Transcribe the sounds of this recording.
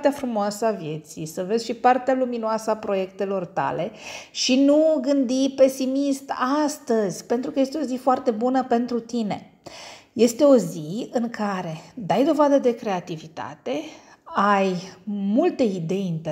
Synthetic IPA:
t̪eafɾumoasəavje̞t̪sḭjsəve̞zʲʃipart̪ealuminoasəapɾo̞je̞kt̪e̞lo̞rt̪a̰le̞ʃinuɡɨnd̪ipe̞simist̪ast̪əzʲpe̞nt̪ɾukəje̞st̪eo̞zifoart̪e̞bunəpe̞nt̪ɾut̪ine̞̰ | je̞st̪e̞o̞ziɨŋkʰaɾe̞d̪ajd̪o̞vad̪əd̪e̞kɾe̞at̪ivit̪a̰t̪e̞ | ajmult̪e̞id̪e̞jint̪e

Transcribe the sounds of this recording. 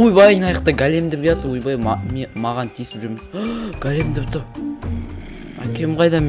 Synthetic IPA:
ujbɑjijnɑjəqt̪ɑɡʲælʲemd̪ep̚kɑt̪əwujbɑjmemɑʁɑnt̪ʰijsɪ̥pʒʏɾmed̪ɡ̥ælʲemd̪ep̚t̪ʊ | æ̰kʲʰe̞mqʰɑjd̪ɑm

